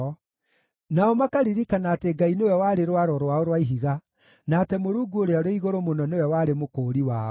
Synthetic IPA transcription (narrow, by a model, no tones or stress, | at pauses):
naɔmakaɾiɾikanaːteɡainewɛwaːɾeɾwaɾɔɾwaoɾwaiɦiɣa | naːtɛmoɾuːɡuoɾeaɾeiɣoɾomonɔnewɛwaːɾemokoːɾiwaːɔ